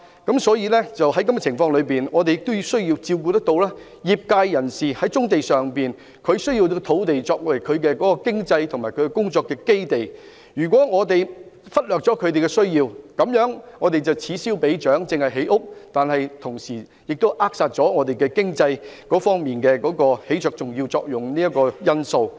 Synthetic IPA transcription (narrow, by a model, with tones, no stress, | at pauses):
kɐ˨˥msɔː˨˥jiː˧lɛː˥t͡sɐ˨whɐ˨˥jkɐ˥mɛ˧t͡sʰɪ˨˩ŋfɔː˧ŋlɵ˨˧ɥpiː˨nŋɔː˨˧t̪e˨jɪ˨k̚t̪o˥wji˧wsɵ˥ɥjiː˧wt͡siː˧wk̬uː˧t̪ɐ˥k̚t̪o˧wlɛː˥ | jiː˨˩p̚kaː˧jːɐ˨˩nsiː˨˩hɐ˨˥jt͡sʊ˥ŋt̪e˨jsœː˨ŋpiː˨˩n | kʰɵ˨˧ɥsɵ˥ɥji˧t̪o˧t̪ʰo˨˥wt̪e˨jt͡ʃɔː˧k̚wɐ˨˩jkʰɵ˨˧ɥkɛ˧kɔː˨˥kɔː˧kɪ˥ŋt͡sɐ˧jt̪ʰʊ˨˩ŋmaː˨˩kʰɵ˨˧kɛ˧kʊ˥ŋt͡sɔː˧kːɛː˧ke˥jt̪e˨˩j | jyː˨˩kʷwɔː˨˥ŋɔː˨˧t̪e˨j | fɐ˥t̚lœː˨k̚t͡sɔː˨˥kʰɵ˨˧ɥt̪e˨jkɛ˧sɵ˥ɥjiː˧wkɐ˨˧˥mjœː˨˥ŋŋɔː˨˧t̪e˨jt͡sɐ˨wt͡sʰiː˨˥siː˥wpe˨˥jt͡ʃœː˨˥ŋt͡sɪ˨˧ŋhɐ˨˩jɦe˨˥jʔʊ˥k̚t̪aː˨˩nhɐ˨jt̪ʰʊ˨˩ŋsiː˨˩ | jɪ˨k̚t̪o˥wʔaː˥k̚saː˧t̚t͡ʃɔː˨˥ŋɔː˨˧t̪e˨jkɛ˧kɪ˥ŋt͡sɐ˧jkɔː˨˥fɔː˥ŋmiː˨nkɛː˧kɔː˨˧˥kɔː˧he˨˥jt͡sʰœː˨k̚t͡sʊ˨ŋjiː˧wt͡sɔː˧k̚jʊ˨˩ŋniː˥jɐ˥t̚kːɔː˧jɐ˥nso˧w